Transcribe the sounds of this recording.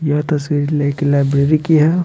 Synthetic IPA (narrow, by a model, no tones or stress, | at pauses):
jɐɦt̪ɐsʋiɾilakelajbɾeːɾikiɦɛ